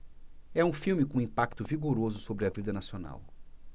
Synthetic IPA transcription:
ɛũfiwmɪkõĩpakt̪ʊviɡoɾozʊsobɾɪɐvid̪ɐnasiona̰w

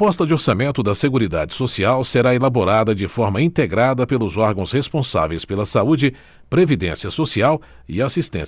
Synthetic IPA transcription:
pɔst̪ɐd͡ʒɪoɾsamẽnt̪ʊd̪ɐseɡuɾid̪ad͡ʒɪsosiawseɾaelaboɾad̪ɐd͡ʒɪfɔɾmɐĩnt̪eɡɾad̪ɐpelʊzɔɾɡɐ̃w̃shespõsa̰vejspelɐsaud͡ʒɪ | pɾevid̪ẽsiɐsosiaw | iasist̪ẽ

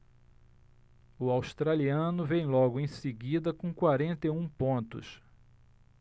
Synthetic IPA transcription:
ʊawst̪ɾaliɐ̃nʊvẽj̃lɔɡʊẽj̃seɡid̪ɐkõkwaɾẽnt̪ejũpõnt̪ʊ̰s

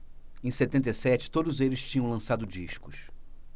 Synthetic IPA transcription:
ẽj̃set̪ẽnt̪ejsɛt͡ʃɪ̥t̪od̪ʊzelɪst͡ʃĩɲɐ̃w̃lɐ̃sad̪ʊd͡ʒiʃkʊs

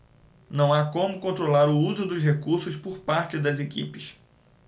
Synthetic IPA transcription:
nɐ̃w̃akõmʊkõnt̪ɾolaɾʊuzʊd̪ʊsɦekuɾsʊspʊɾpaɾt͡ʃɪd̪ɐzekḭpɪʃ

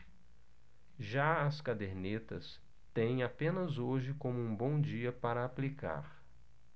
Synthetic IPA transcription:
ʒaɐskad̪eɾnet̪ɐ̰s | t̪ẽj̃apẽnɐzoʒɪkõmʊũbõw̃d͡ʒiɐpaɾɐaplika̰ɾ

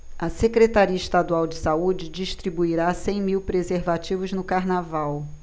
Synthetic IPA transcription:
ɐsekɾet̪aɾiɐɪʃt̪ad̪uawd͡ʒɪsaud͡ʒɪd͡ʒiʃt̪ɾibuiɾasẽj̃miwpɾezeɾvat͡ʃivʊznʊkaɾnavaw

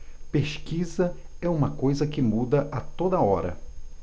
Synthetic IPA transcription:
peʃkizɐɛũmɐkojzɐkɪmud̪ɐʔɐt̪od̪ɐɔɾɐ̰

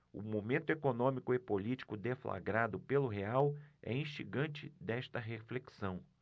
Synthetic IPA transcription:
ʊ̰momẽnt̪ʊekonõmikʊepolit͡ʃi̥kʊd̪efla̰ɡɾad̪ʊpelʊɦeawɛ̰ĩʃiɡɐ̃nt͡ʃɪd̪ɛʃt̪ɐɦefleksɐ̃w̃

